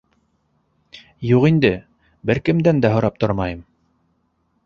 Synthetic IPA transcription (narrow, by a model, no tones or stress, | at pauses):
juqind̪ɘ | bɘɾkɘ̆md̪ænd̪æɦŏɾɑp̚t̪oɾmɑjɤm